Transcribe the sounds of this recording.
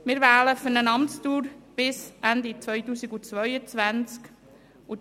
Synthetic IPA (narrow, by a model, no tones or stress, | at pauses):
mɪɾvæːləfʏɾnənɑmt͡stuːɾb̥ɪsʔænd̪it͡sʋœʏtuːsiɡʊt͡sʋœʏət͡svænt͡sk | ʊ